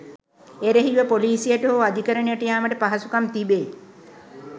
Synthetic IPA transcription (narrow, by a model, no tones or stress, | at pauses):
eɾəɦiʋəpoliːsijəʈəɦoːad̪ʱikəɾəɳejəʈəjaːməʈəpaɦasukamt̪ibe